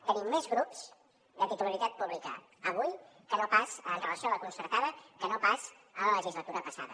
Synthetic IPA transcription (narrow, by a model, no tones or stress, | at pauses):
t̪ənimːɛzɣɾupz | d̪ət̪it̪uləlit̪at̪̚puβlikə̰ː | β̞uj | kənopasət̪əβəsoləkunsəɾt̪aðəkənopas | ələləʒizlət̪uɾəpəsa̰ðə